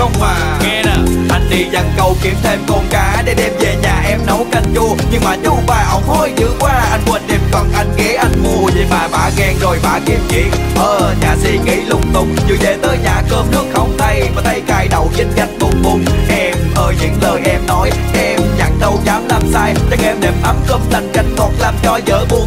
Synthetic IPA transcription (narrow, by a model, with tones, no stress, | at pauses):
ə˧wŋ͡mmaː˨˩ | ŋɛ˧aː˨˩ʔa˧jŋ̟ɗi˧˨˩za˨˩ŋkə˨˧˩wki˨˦ənt̪ʰe˧mkɔ˧˩nkaː˨˦ɗe˨˦ɗɛ˧mve˨˩ɲaː˨˩ʔɛ˧mnə˨˦wkə˧˩ŋ̟t͡ɕu˧əɲɨ˧ŋmaː˨˩ɲʊ˧˥ɓaː˧˩ʔə˨˦wŋ͡mho˧jzɨ˧˥kwaː˧ʔa˧jŋ̟kwə˧˩nɗi˨˩mkɔ˨˩nʔa˧jŋ̟ɣe˨˦ʔa˧jŋ̟mu˧əzi˨˩ɓaː˨˩ɓa̰ː˧˨˩ɣɛ˧ŋzo˨˩jɓa̰ː˨˩ki˧˦ən̚kḭ˧˨əŋʔəː˨˩ɲaː˨˩si˧ɣi˧˩lʊ˨˦˥k͡p̚t̪ʊ˨˩ŋ͡m̚zɨ̰˨˧˩ze˨˩t̪əː˨˦jɲaː˨˩kəː˧mnɨ˦˥ək̚xə˧wŋ͡mt̪ʰə˧jvaː˨˩t̪ʰə˧jkaː˧jɗə˨˩wzi̟˧za˨˩jŋ̟kʊ˨˧˩ŋ͡mkʊ˨˧˩ŋ͡mʔɛ˧mʔəː˧˩ɲɨ̰˧˥ŋləː˨˩jʔɛ˧mnɔ˨˦j | ʔɛ˧mɲaː˨˩ŋt̪ə˧wzaː˨˦mla˧˩msaː˧jt͡ɕə˨˧˥ŋʔɛ˧mɗe˨˩mʔə˨˦mkə˧m̚lə˧˩ŋ̟ka˨˦jŋ̟k̪ɔ˨˩nlaː˧˩nt͡ɕɔ˧˩zəː˨˦jɓu˧˩